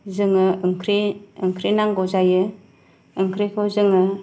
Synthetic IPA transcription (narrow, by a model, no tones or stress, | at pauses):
zɯŋɯɯŋkʰɾiɯŋkʰɾinaŋɡɔzajɯ | ɯŋkʰɾikʰɔzɯŋɯ